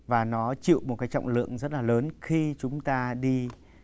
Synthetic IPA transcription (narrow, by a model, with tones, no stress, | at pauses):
vaː˨˩nɔ˨˦t͡ɕḭ˧˨wmo˨˩t̚kaː˨˦jt͡ɕɔ̰˧˨wŋ͡mlɨ̰˧˨əŋzə˦˥t̚laː˨˩ləː˨˦nxi˧t͡ɕʊ˨˦ŋ͡mt̪aː˧ɗi˧